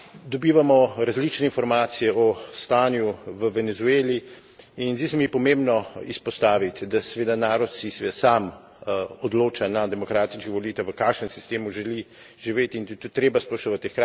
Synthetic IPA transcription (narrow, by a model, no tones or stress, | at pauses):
d̪ɔbiːʋamɔɾazlit͡ʃnɛinfɔɾmaːt̪sijɛɔst̪aːnjuʋəʋɛnɛzueːli | inzd̪isɛmipɔmẽmbnɔispɔst̪aːʋit̪d̪asɛʋeːd̪anaːɾɔt̪sisɛʋed̪asaːm | ɔd̪loːt͡ʃanad̪ɛmɔkɾaːt̪it͡ʃkiʋɔliːt̪aʋəkakʃnɛnsi̥st̪eːmuʒɛli | ʒiʋeːt̪int̪t̪ut̪ːɾeːbaspoʃoʋat̪exka